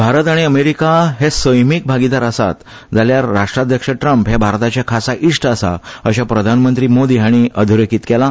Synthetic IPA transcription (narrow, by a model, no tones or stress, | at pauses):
bʱaɾət̪aɽ̃iəmeɾikaɦesəjmik̚bʱaɡid̪aɾəsa̰t̪ | d͡zaljaɾːaʂʈɾad̪ʱjəkʂəʈɾəmpɦebʱaɾt̪at͡ɕjakʰasaʔiʂʈəsa̰əɕapɾəd̪ʱanmənt̪ɾiːmod̪iːaɽ̃iəd̪ʱuɾekiːt̪kɛla